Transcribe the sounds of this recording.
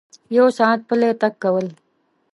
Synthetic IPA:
jowsɑ̃ːt̪̚pəlet̪akːawəl

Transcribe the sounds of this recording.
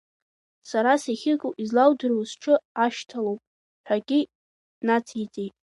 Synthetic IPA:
saɾasiχʲɪkʼuʔizlawdɨrowzʈ͡ʂʰɨaʃtʰalowpʼ | ħʷᶣaɡʲʼɪ | nat͡sʰit͡sʼejtʼ

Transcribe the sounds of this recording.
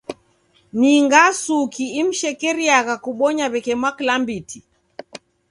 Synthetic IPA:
niŋɡasukiim̩ʃɛkɛɾiaɣakuɓɔɲaβɛkɛmwaklambitʰi

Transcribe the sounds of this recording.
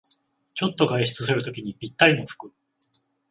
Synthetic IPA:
t͡ɕo̞t̪ːo̞ɡaiɕi̥t͡sɨsɨɾɯ̟t̪o̞kʲiɲ̟ipʲit̪ːaɾʲino̞ɸɯ̥kɯ̟

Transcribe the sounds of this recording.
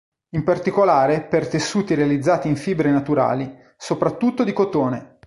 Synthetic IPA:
impart̪ikolaːɾepert̪esːuːt̪iɾealid̪zːaːt̪iiɱfiːbɾenat̪uɾa̰ːli | sopɾat̪ːut̪ːod̪ikot̪oːne

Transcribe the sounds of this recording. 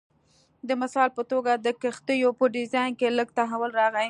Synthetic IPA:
d̪əmɪsɑlpət̪oɡad̪əkəxt̪əjopəɖɪzɑjnkeləɡ̚t̪aɦawəlɾɑɣa

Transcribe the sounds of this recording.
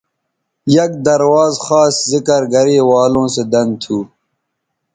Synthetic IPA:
jɐk̚d̪ɐɾwaːzxaːszikɐɾɡɐɾeːwaːlõːsed̪ɐn̚t̪ʰuː

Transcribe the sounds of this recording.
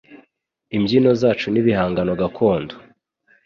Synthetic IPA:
imɟino̞zaːt͡ʃuniβihaːŋɡano̞ɡakʰo̞ːndo̥

